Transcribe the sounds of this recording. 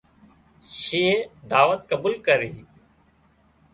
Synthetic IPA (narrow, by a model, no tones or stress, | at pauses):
ʃeːd̪aːʋət̪̚kəbuːlkəɾiː